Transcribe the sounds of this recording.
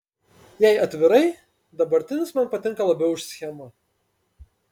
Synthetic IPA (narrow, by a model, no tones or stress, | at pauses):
jɛɪɐt̪ʲʋʲɪɾɐɪ | d̪ɐbɐɾʲt̪ʲɪnʲɪsmɐnˑpɐt̪ʲɪŋˑkɐlˠɐbʲɛʊɪʃsʲxʲɛmɐ